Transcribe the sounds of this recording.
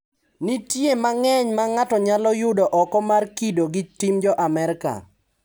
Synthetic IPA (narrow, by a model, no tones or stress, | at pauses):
nitjemaŋɛɲmaŋatɔɲalɔjʊdɔʔɔkɔmarkidoɡɪtimd͡ʒɔʔamɛɾka̰